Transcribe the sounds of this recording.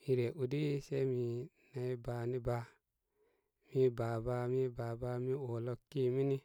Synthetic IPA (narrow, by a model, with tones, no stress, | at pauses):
i˧ɾe˨ʔu˨di˦se˦mi˨na˧i˦ba˨ni˦ba˧ | mi˦ba˨ba˧mi˦ba˨ba˧˦mi˦o˨lo˧ki˦˨mi˦ni˦